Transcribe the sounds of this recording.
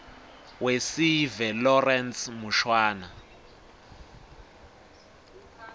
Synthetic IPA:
wesivɛlɔrɛnsmuʃwaːna

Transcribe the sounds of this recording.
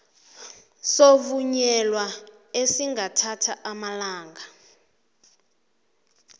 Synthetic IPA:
sovuɲɛlwa | esiŋɡatʰatʰaʔamalaːŋɡʱa

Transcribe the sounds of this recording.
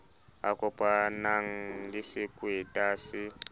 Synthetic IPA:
a̰kʼɔpʼanaŋ̩lisikʼwetʼasi

